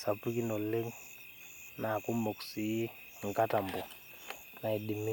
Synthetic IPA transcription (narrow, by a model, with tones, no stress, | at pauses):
sa˨pi˦ki˦nɔ˨le˦ŋ | na˨ku˦mɔ˨ksi˨ji˦ | ŋ̩˨ka˦ta˨mbɔ˨ | na˨i˨ɗi˨mi˦